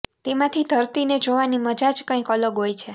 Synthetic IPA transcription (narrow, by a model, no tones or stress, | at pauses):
t̪emãt̪ʰid̪ʱəɾt̪ined͡ʒoʋaniməd͡ʒad͡ʒkə̃ĩkɔləɡɦojt͡ʃʰe